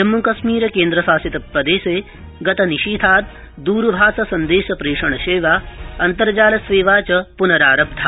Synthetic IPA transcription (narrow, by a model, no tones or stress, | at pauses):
d͡ʒɐmːukɐʃmiːɾɐkẽːnd̪ɾɐsaːsit̪ɐp̪̚ɾɐd̪eːseː | ɡɐt̪ɐniʃiːd̪ʰʱaːt̪̚ | d̪uːɾbʱaːsɐsɐnd̪eːʃɐpɾeːʂɐɳɐʃeːʋaːɐnt̪ɐɾd͡ʒaːlɐsʋeːʋaːt͡ʃɐpunɐɾaːɾɐb̚d̪ʱʰaː